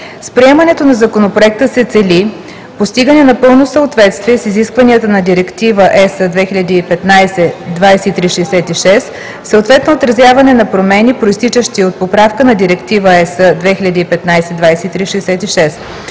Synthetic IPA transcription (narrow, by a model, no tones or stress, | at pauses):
spɾiɛmɐnɛt̪onɐzɐkonopɾoɛk̚t̪əsɛt̪sɛli | post̪iɡənɛnɐpɤlˠnosəot̪vɛt̪st̪viɛsiziskvɐniət̪ənɐd̪iɾɛkt̪ivəʔɛsəd̪vɛxiʎʲɐd̪iːpɛt̪najsɛd̪vajsɛit̪ɾiʃɛːsɛt̪iʃɛs | səot̪vɛt̪noːt̪ɾɐzʲjavɐnɛnɐpɾomɛnipɾoist̪it͡ʃəʃt̪iot̪̚popɾafkənɐd̪iɾɛkt̪ivəɛsəd̪vɛxilʲɐd̪iːpɛt̪najsɛd̪vajsɛit̪ɾiʃɛːsɛt̪iʃɛs